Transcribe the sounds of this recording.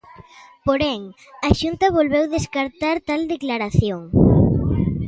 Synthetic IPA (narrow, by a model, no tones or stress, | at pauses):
poɾɛŋ | aʃunt̪ɐβ̞olβewðeskaɾt̪aɾt̪ald̪eklaɾaθjoŋ